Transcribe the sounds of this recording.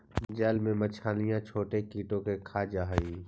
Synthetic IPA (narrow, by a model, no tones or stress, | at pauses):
d͡ʒɛːlmẽmət͡ʃʰaːlɪjãt͡ʃʰoːʈekiːʈõkekʰaːd͡ʒaːɦiː